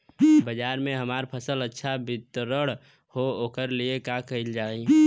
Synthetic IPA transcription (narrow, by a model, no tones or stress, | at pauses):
bəd͡ʒaːɾmẽɦəmaːɾpʰəsələtːʃʰabɪt̪ɾəɽ | hooːkəɾliekãkəɦɪld͡ʒaːi